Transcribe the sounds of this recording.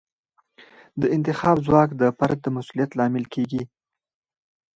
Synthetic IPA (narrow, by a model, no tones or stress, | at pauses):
d̪əɪnt̪ɪxɑbzwɑkd̪əpaɾk̚d̪əmasulijat̪lɑmɪlkʰeɡi